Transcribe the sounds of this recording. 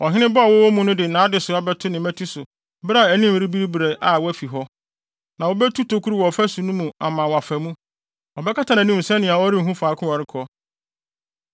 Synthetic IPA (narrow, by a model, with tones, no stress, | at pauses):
ɔ˨ɦɪ̃˦nɪ̃˦bɔ˦a˨wɔ˦wɔ˦mũ˦nʊ̃˦dɪ˨nãː˨˦dɪ˨sʊ˨a˦bɛ˦tʰʊ˦nɪ̃˨mæ̃˦tʰu˦sʊ˨ | bɾa˨æ˨nĩ˦m˨ɾi˦bi˦ɾi˦bɾe˨ʔa˦˨wɔ˦æ˦fi˨ɦɔ˦ | nã˨wo˦bɛ˦tʰu˦tʰo˨kʰu˦ɾu˦wɔ˨fæ˦su˨nũ˦mũ˨a˨mã˨wa˨fæ˨mũ˦ | ɔ˨bɛ˦kʰa˦tʰa˨nã˨nĩ˦m̩˨sɛ̃˦nɪ̃˨a˨wɔ˦ɾi˦˨ɦũ˦faː˨˦kʰʊ̃˦wa˨ɾɪ˦kʰɔ˦